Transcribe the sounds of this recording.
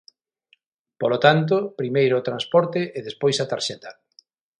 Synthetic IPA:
polot̪ant̪̬opɾimejɾʊːt̪ɾanspɔɾt̪ɪʔeðespojsat̪aɾʃɛt̪a

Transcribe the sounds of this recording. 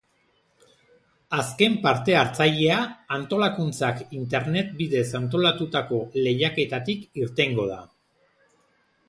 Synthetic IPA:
aske̞mpaɾt̪e̞aɾt͡saʎe̞aant̪o̞lakunt͡sakint̪e̞ɾne̞t̪̚biðe̞sant̪̬o̞lat̪ut̪ako̞le̞jake̞t̪at̪ikiɾt̪e̞ŋɡo̞ða̰

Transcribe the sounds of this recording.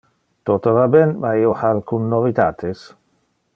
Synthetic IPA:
t̪ɔt̪avabɛnmaiohalkunːovit̪aːt̪ʰes

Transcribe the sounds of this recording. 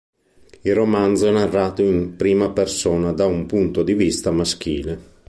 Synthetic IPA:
iromand̪zoɛnarːaːt̪oimpɾiːmapersɔːnad̪aumpunt̪od̪ivist̪amask̟ḭːle

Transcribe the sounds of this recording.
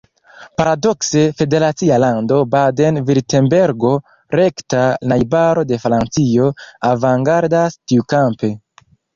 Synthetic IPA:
paɾado̞kse̞fe̞de̞ɾat͡sialando̞bade̞nviɾte̞mbe̞ɾɡo̞ | ɾe̞ktanajbaɾo̞de̞fɾant͡sio̞avaŋɡaɾdastiukampe̞

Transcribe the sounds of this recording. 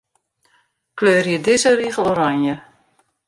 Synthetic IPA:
kløːrjidɪzəriːɣəloɾaɲjə

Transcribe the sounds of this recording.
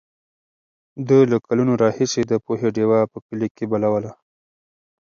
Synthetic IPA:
d̪əlakalunoɾɑhised̪əpoɦeɖewɑpəkəlikebalawəla

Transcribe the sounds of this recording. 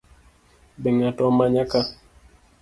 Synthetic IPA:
beŋatɔmaɲaka

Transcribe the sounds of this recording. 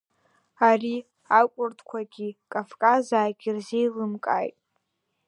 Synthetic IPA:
ari | akʷʼʊrtʰkʷʰaɡʲikʼafkʼazaːɡʲirzejlɨmkʼa̰jtʼ

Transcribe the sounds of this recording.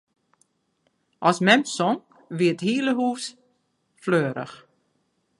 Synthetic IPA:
ʔɔsmɛmsɔŋ | ʋiəthiːləɦuːs | fløːɾə̰x

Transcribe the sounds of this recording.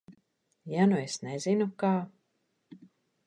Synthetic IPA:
januesnezinukaː

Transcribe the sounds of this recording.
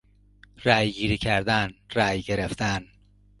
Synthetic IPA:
ræːjɡiːɾiːcʰæɾd̪ænɾæːjɟeɾeft̪æn

